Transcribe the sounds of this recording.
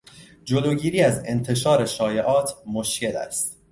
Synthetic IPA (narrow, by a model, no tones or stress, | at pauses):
d͡ʒoloːɟiːɾiːæze̞nt̪ʰe̞ʃɒːɾe̞ʃɒːjeʔɒːt̪ʰmoʃce̞læ̰st̪